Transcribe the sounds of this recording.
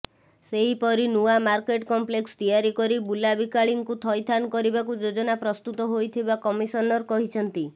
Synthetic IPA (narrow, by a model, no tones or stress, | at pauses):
seɦipɔɾinuamaɾkeʈkɔmplekst̪ijaɾikɔɾibulabikaɭiŋkut̪ʰɔjt̪ʰanɔkɔɾibakud͡ʒod͡ʒɔnapɾɔst̪ut̪ɔɦojt̪ʰibakɔmisɔnɔɾɔkɔɦit͡ʃʰɔnt̪i